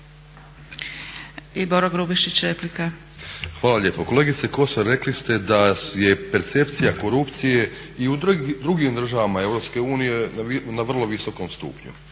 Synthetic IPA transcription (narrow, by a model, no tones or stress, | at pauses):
iboɾoɡɾubiʃit͡ɕɾeplika | xʋaːlaʎe̞ːpoko̞le̞ɡit̪seko̞soɾe̞klist̪e̞d̪aje̞pe̞ɾt̪se̞pt̪sijako̞ɾupt̪sije̞ | iud̪ɾuɡimd̪r̩ʒaʋamae̞wɾo̞pske̞uːnije̞naʋr̩lˠo̞ʋiso̞ko̞mst̪ṵpɲṵ